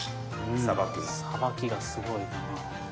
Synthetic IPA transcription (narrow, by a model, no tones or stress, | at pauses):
abakʲi | habakʲiɡasɨɡo̞i | a